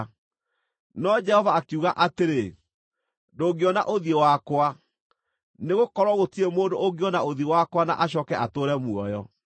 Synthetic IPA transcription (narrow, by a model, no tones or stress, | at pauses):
nɔd͡ʒɛhɔvaːkuɣaʔateɾe | doːɡeɔna̰ʔoðiewakwa | neɣokɔɾwɔɣotiemoːndooɡeɔnaoðiewakwana̰ʔaɕɔːkɛʔatoːɾɛmuɔjɔ